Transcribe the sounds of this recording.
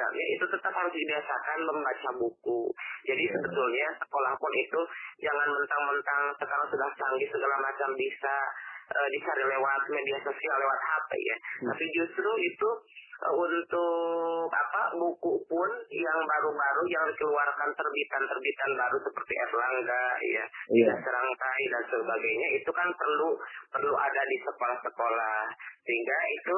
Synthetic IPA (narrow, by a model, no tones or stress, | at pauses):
a̰ɲa̰ʔit̪ut̪ət̪aphaɾʊsdibiasakanməmbat͡ʃabukud͡ʒadisəbət̪ʊlɲasə̥kolahpʊnʔit̪ud͡ʒaŋanmənt̪aŋmənt̪aŋsəkaɾaŋsudaht͡ʃaŋɡisəɡalamat͡ʃambisaʔədit͡ʃaɾilewat̪̚mediahsosialːewat̪̚hapḛja̰t̪apid͡ʒust̪ɾuit̪uunt̪ʊka̰pabukupʊnjaŋbaɾubaɾujaŋdikəluarkant̪ərbit̪ant̪ərbit̪anbaɾusəpərt̪iʔɛ̰rlaŋɡa̰ja̰isasəɾaŋt̪aidansəbaɡajɲait̪ukanpərlupərluʔa̰dadisəkolahsəkolahsəɦiŋɡait̪u